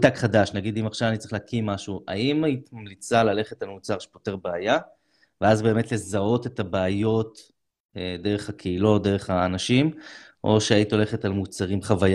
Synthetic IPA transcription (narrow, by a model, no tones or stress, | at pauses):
d̪akχadaʃnaɡid̪imaχʃavanitt͡sʁiχleakimːaʃuʔa̰imait̪mamlit͡salale̞χetalmut͡saʁʃe̥pote̞ʁbeaja | veazbe̞ːme̞tle̞zao̞te̞tabeːjo̞t̪ | ed̪e̞ʁeχakʰeilo̞td̪e̞ʁeχaːnaʃim | ʔo̞̰ʃeait̪o̞le̞χetalmut͡saʁimχavaj